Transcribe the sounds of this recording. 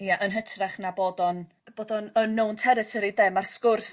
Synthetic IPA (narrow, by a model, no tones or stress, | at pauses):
ijaʔənɦətʰrɛχnaboːdɔn | b̥oːdɔnənːowntʰɛɾɪtʰɔɾidɛmarskʊrs